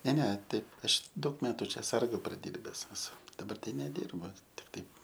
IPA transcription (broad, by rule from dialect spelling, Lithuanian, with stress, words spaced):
nʲɛ ˈnʲɛ ˈtɐɪ ˈɐʃ ˈdɐʊk ˈmʲæːtʊ ˈt͡ʃʲɛ ˈsɐrɡʊ prɐˈdʲiːrʲbʲɛs ɛˈsʊ dɐˈbɐr ˈtɐɪ nʲɛˈdʲiːrbʊ tʲɪk ˈtɐɪp